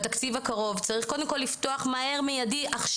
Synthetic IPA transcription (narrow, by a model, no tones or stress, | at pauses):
t̪akt͡sivakaʁo̞vt͡saʁiχkodemko̞lːifto̞aχmae̞ʁmejadiʔaχʃ